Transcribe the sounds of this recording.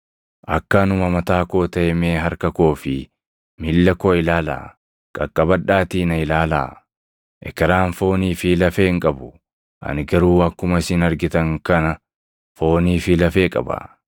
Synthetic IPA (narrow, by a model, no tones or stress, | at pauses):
ʔɐkːɐnʊmɐmɐt̪aːko̞ːt̪ɐɛmeːɦɐɾkɐkoːfɪ | mɪlːɐkoːɪlaːla̰ː | kʼɐkʼːɐbɐᶑaːt̪iːnɐɪlaːla̰ː | ʔɛkɐɾaːnfo̞ːniːfɪlɐfeːɪŋkʼɐbʊ | ʔɐ̰nɪɡɐɾuːɐkːʊmɐsɪnɐɾɡɪt̪ɐŋkɐnɐ | fo̞ːniːfɪlɐfe̞ːkʼɐ̰bɐ̰